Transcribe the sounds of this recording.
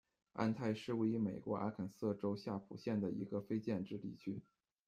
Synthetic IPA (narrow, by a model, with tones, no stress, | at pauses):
a̰˥˧nt̪ʰa˥˧ɪʂɻ̩˥˧we˥ɪi˧˥me˨˩ɪkwɔ˧˥ʔa̰˥kʰə˨˩nsɤ˥˩ʈ͡ʂo˥ʊɕja˥˩pʰu˨˩ɕjɛ˥˩nd̪ə˩ḭ˧˥ɡə˧fe˥ɪt͡ɕjɛ˥˧nʈ͡ʂɻ̩˥˧t̪ḭ˥˩t͡ɕʰy˥